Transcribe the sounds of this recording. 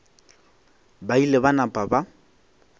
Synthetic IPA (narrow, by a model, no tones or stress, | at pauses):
bailebanapʼaba